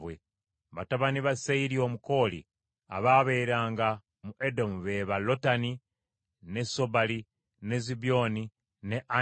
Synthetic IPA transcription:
βwe | βataβaniβasaiɾio̞ːmuko̞ːlḭ | a̰βaβe̞jɾaːŋɡa | muʔedo̞muβe̞βalo̞tani | ne̞so̞bali | nezibjo̞ni | ne̞ʔa

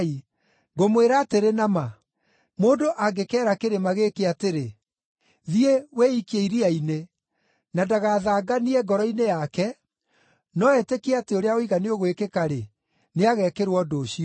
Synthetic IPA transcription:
i | ɡomweɾateɾenama | moːndoʔaɡekɛːɾakeɾemaɣekeateɾe | ðiewɛikieiɾiaine | nadaɣaːðaːɡaniɛɡɔɾɔinejakɛ | nɔɛtekeateoɾeaoiɣaneoɣwekekaɾe | neaɣɛkeɾwɔdoːɕiɔ

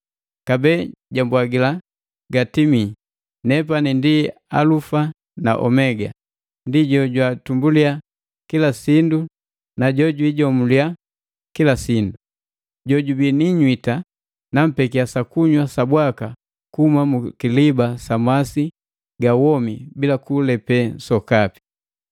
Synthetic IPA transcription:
kabɛːɟambwaɡila | ɡatimi | nɛp̬anindi | a̰lufa | na̰ʔɔ̰mɛɡa̰ | ndiɟɔɟwatumbulia | kilasindu | naɟɔɟwiɟɔmulia | kilasindu | ɟɔɟubiniɲwita | nam̩pɛkiasakuɲwasabwaka | kuhumamukilibasamasi | ɡawɔmibilakulɛpɛsɔkapi̥

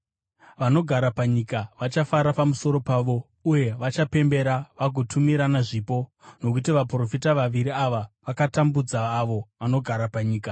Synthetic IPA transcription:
ʋano̞ɡʱaɾapaɲikaʋat͡ʃafaɾapamuso̞ɾo̞paːʋo̞ | uje̞ʋat͡ʃape̞mbe̞ɾaʋaɡʱotʰumiɾanaʐiːpo̞no̞k̬utiʋapro̞fitaʋaʋiɾiaʋaʋakatambud͡zaːʋo̞ʋano̞ɡʱaɾapaɲiːka

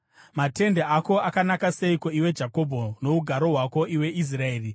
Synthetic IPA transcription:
mate̞ndeako̞akanakase̞ikoiwe̞d͡ʒako̞bʱono̞uɡʱaɾo̞ɦwako̞ʔiwe̞ʔis̬rae̞ːri

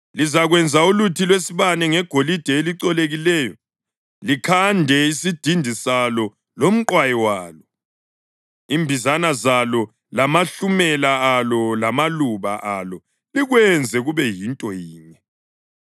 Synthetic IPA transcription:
lizaɣwɛnd͡zʱaulutʰilwesiβanɛŋɛɡ̥ʱolid̥ʱɛeliǀɔleɣilɛːjɔ | likʰandʱɛisid̥ʱindʱisalɔ | lom̩ǃwajɛwaːlɔ | iːmbʱizanazalɔ | lamaɬumɛlaːlɔlamaluβa̰ʔalɔ | liɣwɛnd͡zʱɛɣuβɛjintʼɔjiːɲɛ

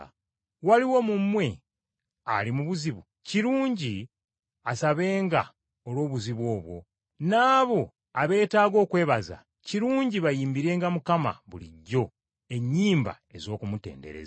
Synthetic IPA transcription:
waliwo̞mumːwe̞ | alimuβuziβu | ciɾuːɲɟi | asaβe̞ːŋɡa | olwo̞ːβuziβwo̞ːβwo̞̰ | naːβo̞ | aβe̞ːtaːɡo̞ːkwe̞ːβaza̰ | ciɾuːɲɟiβajiːmbiɾe̞ːŋɡamukama̰βulḭɟːo̞ | e̞ɲːiːmba̰ | e̞zo̞ːkumute̞̰ːnde̞̰ɾḛz

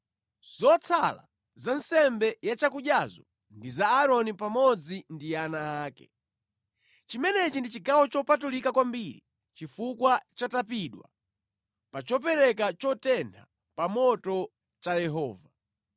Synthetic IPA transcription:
z̥ɔt͡sʰala̰ | zansɛmbɛjat͡ʃakuʄjazɔ̰ | ndizaːɾɔnipamɔd͡zindijanaːkɛ̰ | t͡ʃimɛnɛt͡ʃindit͡ʃiɡawɔt͡ʃɔpatulikakwambiɾḭ | t͡ʃifukwat͡ʃatapiɗwa̰ | pat͡ʃɔpɛɾɛkat͡ʃɔtɛntʰa | pamɔtɔ | t͡ʃajɛɦɔːva

